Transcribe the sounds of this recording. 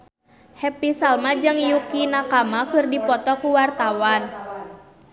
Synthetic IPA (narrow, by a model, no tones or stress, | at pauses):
hɛpisalmad͡ʒɨŋjukinakamakərdipɔt̪ɔkuwart̪awan